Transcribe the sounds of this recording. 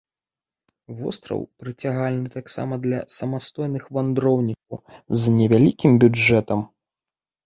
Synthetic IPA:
vɔ̰st̪ɾɐ̰wpɾɨt͡sʲaɣalʲnɨt̪aksa̰mɐd̪lʲɐ̰sɐmast̪ɔjnɨxvand̪ɾɔwnʲik̚ɐwznʲɛvʲalʲikʲimbʲud͡ʐɛt̪ɐm

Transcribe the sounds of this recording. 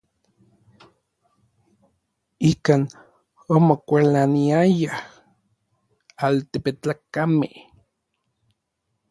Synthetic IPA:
ikaːn | omokʷalaniajah | alt̪epet͡ɬakamḛh

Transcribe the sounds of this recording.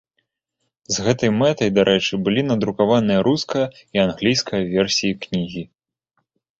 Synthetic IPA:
zɣɛt̪ɐjmɛt̪ɐjd̪aɾʔɛt͡ʂɨbɨlʲinɐd̪ɾukavanɨjɐɾuskɐjɐianɣlʲijskɐjɐvʲɛrsʲijiknʲiɣʲi

